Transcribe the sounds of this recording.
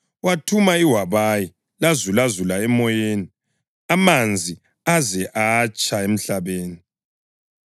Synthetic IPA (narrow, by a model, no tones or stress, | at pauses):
watʰumaiwaβaji | lazulazulaɛmɔjeni | amand͡zʱi | azɛʔaːt͡ʃʼaem̩ɬaβeːni